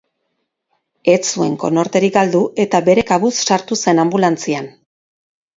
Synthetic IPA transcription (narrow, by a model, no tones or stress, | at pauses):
e̞t͡sue̞̰ŋko̞̰no̞ɾt̪e̞ɾiɡald̪uʔe̞t̪abe̞ɾe̞kaβusːaɾt̪use̞nambulant͡sian